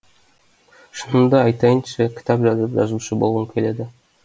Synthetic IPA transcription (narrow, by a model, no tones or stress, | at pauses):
ʃənəmd̪əɑjt̪ɑjənʃekʲʰɪ̥t̪ʰɑpʒɑzəpʒɑ̰zuʃəbo̞lˠʁəŋkʲʰe̞le̞d̪ɪ